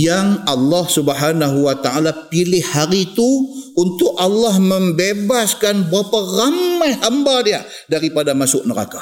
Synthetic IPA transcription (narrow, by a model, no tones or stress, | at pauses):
jaŋɑlːɑhsubəɦanaɦuwat̪aalapilɪhhaɾit̪uunt̪ʊkɑlːɑhməmbebaskanbəɾaparamajɦambadia | daɾipadamasʊʔ̚nəɾa̰ka